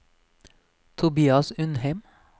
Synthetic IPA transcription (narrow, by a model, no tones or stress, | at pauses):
t̪ʰʊbiːɑsʉnheɪm